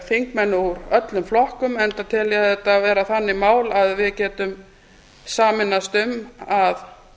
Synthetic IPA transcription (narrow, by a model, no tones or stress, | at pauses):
fiŋkmɛnːʏuɾœt̪lʏmflɔhkʏmɛnt̪at̪ʰɪljɛɛt̪ːavɛːɾaθanːɪmaːwlaðvɪðcɛːt̪ʏm | saːmɪnːast̪ʏmað